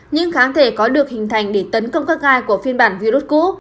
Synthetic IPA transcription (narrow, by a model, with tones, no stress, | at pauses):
ɲɨ̰˧˥ŋxaː˨˦nt̪ʰe˧˩kɔ˨˦ɗɨ˨˩ək̚hï˨˩ŋ̟t̪ʰa˨˧˩jŋ̟ɗe˧˩t̪ə˨˦nkə˧wŋ͡mkaː˦˥k̚ʔaː˧jku˧˩əfi˧ənɓaː˧˩nvi˧ɾu˦˥t̚kṵ˧˥